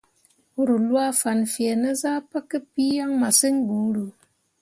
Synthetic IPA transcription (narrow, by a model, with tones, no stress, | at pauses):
u˦ɾu˨lwa˦˨fa˨nfje˨na˦za˦pa˦kːɨ˦pi˦ja˦ŋma˨sɨ˦ŋɡu˨˦ɾu˨